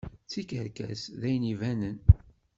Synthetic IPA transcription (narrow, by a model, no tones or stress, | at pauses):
t͡sːikəɾkæ̰sðæjənivænən